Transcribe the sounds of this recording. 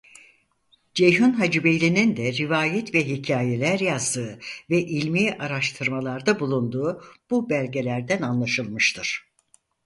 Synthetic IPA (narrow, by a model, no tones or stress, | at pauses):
d͡ʒejɦunɦad͡ʒɯbejlʲinind̪ɛɾivaːjɛt̪vɛɦicʰaːje̞lʲæɾjazd̪ɯːvɛʔilʲmiːʔaɾaʃt̪ʰɯɾmalˠaɾd̪abulˠund̪uːb̥ubælʲɟe̞lʲæɾd̪ænanlˠaʃɯlˠmɯʃt̪ʰɯɾ̥